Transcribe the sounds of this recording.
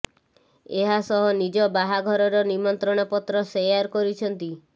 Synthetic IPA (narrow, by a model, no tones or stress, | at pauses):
eɦasɔɦɔnid͡ʒɔbaɦaɡʱɔɾɔɾɔnimɔnt̪ɾɔɽ̃ɔpɔt̪ɾɔsejaɾkɔɾit͡ʃʰɔnt̪i